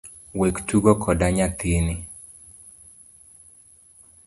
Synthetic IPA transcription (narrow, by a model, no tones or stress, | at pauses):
wektuɡɔkʰɔdaɲat̪eni